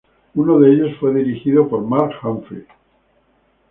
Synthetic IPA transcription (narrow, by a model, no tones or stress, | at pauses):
unoðeeʎo̞sfwe̞ðiɾixiðopoɾmaɾkxaɱfɾḭ